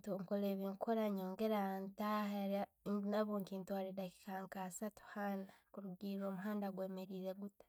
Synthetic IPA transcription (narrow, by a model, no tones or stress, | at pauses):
tuŋkoleːβiŋkoɾaɲoːŋɡeɾantahaɾa | naβoːŋkiːntwaɾidaki̥kaːŋkasatu̥hanakuɾuɡiɾo̞ːmuɦaːndaɡweːmeɾiːɾeɡutḁ